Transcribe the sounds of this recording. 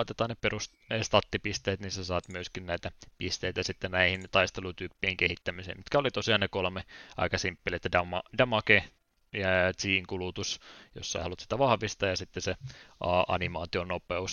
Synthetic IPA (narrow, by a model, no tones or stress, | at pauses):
ɑit̪et̪ɑːnepperus | st̪ɑt̪ːipist̪eːt̪nisesɑːt̪myøskinnæit̪æpist̪eit̪æsit̪ːennæihint̪ɑist̪elut̪yːpːiːŋkehit̪ːæmisḛːmmit̪kæolit̪osiɑːnnekolmeɑ̰ikɑsimpːilet̪ːædɑmɑdɑmɑke | jɑtiːŋkulut̪usjo̰sːɑḛhɑlut̪si̥t̪æʋɑhʋist̪ɑːjɑsit̪ːeseɑɑ̰nimɑːt̪ionopeus